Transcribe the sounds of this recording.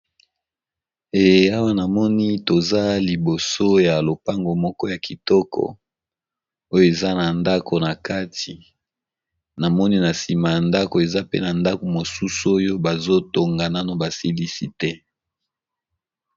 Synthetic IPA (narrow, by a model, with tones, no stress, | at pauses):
e˨ja˦wa˦na˨mɔ˦ni˦to˨za˦li˨bo˨so˦ja˨lo˨pa˦ŋɡo˨mɔ˦kɔ˦ja˨ki˨tɔ˦kʰɔ̰˨ | o˦jo˦˨e˨za˦na˨nda˦kʰo˨na˨ka˦ti˨ | na˨mɔ˦ni˦na˨si˨ma˨ja˨nda˦ko˨e˨za˦pḛ˦na˨nda˦ko˨mo˨su˦so˦jo˦ba˨zo˦to˨ŋɡa˨na˦no˦ba˨si˦li˦si˦tɛ˦